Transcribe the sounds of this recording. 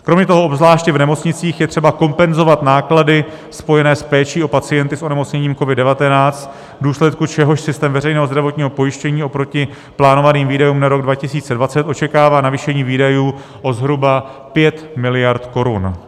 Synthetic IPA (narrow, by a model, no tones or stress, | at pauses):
kɾo̞mɲɛt̪o̞ɦo̞ʔobzlaːʃcɪvnɛmo̞t͡sɲɪt͡siːxjɛt̪r̥ɛbako̞mpɛnzo̞vat̪naːkladɪ | spo̞jɛnɛːspɛːt͡ʃiːo̞pat͡sɪjɛnt̪ɪso̞nɛmo̞t͡sɲɛɲiːmko̞vɪddɛvat̪ɛnaːt͡st̪ | vduːslɛt̪kut͡ʃɛɦo̞ʃsɪst̪ɛːmvɛrɛjnɛːɦozdɾavo̞t̪ɲiːɦo̞po̞jɪʃcɛɲiːo̞pɾo̞cɪ | plaːno̞vaniːmviːdajuːmnaɾo̞ɡdvacɪsiːt͡sɛdvat͡sɛt̪ʔo̞t͡ʃɛkaːvaːnaviːʃɛɲiːviːdajuː | ʔo̞zɦɾubapjɛt̪mɪlɪjaɾt̪ko̞ɾṵn